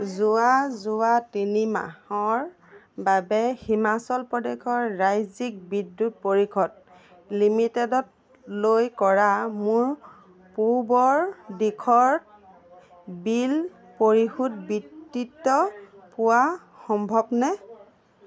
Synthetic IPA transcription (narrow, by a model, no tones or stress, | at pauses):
zʊazʊatinima̰hɔɹ | babɛhimasɔlpɔdekʰɔɹːajzik̚bidːut̚poɹikʰɔd̚ | limitɛdɔt̚ | lojkɔɹamʊɹ | puɹbɔɹdikʰɔɹ | bil | poɹixut̚bitːitːɔpʊwa | xɔmbʱɔbnɛ